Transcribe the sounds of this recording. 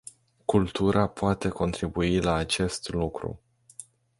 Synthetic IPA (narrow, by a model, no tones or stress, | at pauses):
kult̪uɾʔapoat̪e̞ko̞nt̪ɾibuilaːt͡ʃe̞st̪lukɾṵ